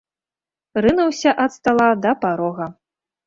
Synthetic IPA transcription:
rɨnɐwsʲaʔɐt̪st̪alˠad̪ɐpaɾɔɣɐ

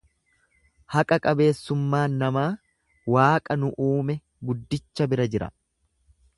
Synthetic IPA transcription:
hɐkʼɐkʼɐbe̞ːsːʊmːaːnːɐmaː | waːkʼɐnʊʔuːmɛ | ɡʊd̪ːɪt͡ʃːɐbɪɾɐd͡ʒɪɾɐ̰

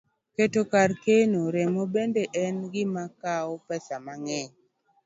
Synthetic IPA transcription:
ketokarkenoɾɛmobendeʔɛnɡɪmakaɔpɛsamaŋɛɲ

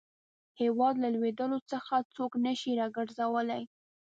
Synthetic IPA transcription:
hewɑd̪lalwed̪əlot͡səxat͡soknəʃiɾɑɡəɾzawəlaj

